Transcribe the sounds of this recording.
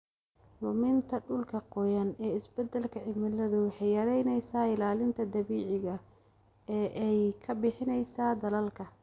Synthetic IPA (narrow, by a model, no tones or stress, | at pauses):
lʊmɪnt̪ʰɐɖʊlkʰɐqɔjɐnɛːɪsbɛd̪ɐlkʰɐʕɪmɪlɐðʊwɑħɑjjɐɾɛjnɛjsaːɪlaːlɪnt̪ʰɐd̪ɐβiːʕɪɣɐ | ɛːʔɛjkʰɐbɪħɪnɛjsaːd̪ɐlɐlkʰɐ